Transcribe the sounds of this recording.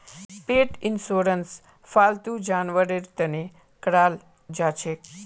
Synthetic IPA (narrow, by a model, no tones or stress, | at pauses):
peʈinsoɾəns | falt̪ud͡ʒanʋəɾeɾt̪əne | kɾal | d͡ʒat͡ʃʰe